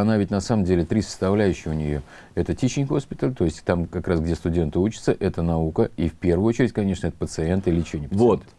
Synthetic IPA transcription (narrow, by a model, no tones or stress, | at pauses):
ɐnavʲɪtʲnɐsaməmdʲelʲɪt̪ɾʲisə̥st̪ɐvlʲæjʉɕːɪxʊnʲɪjo̞ | ɛt̪ətʲit͡ɕɪnʲxo̞spʲɪt̪əlʲt̪o̞ɪsʲtʲt̪amkɐkɾasɡdʲe̞st̪ʊdʲe̞nt̪ɨut͡ɕɪt̪səʔɛt̪ənɐukəifpʲe̞rvʊjot͡ɕɪɾʲɪtʲkɐnʲe̞ʂnəɛt̪ə̥pət̪sɨent̪ɪlʲɪt͡ɕɪjʲonʲɪpəəvot̪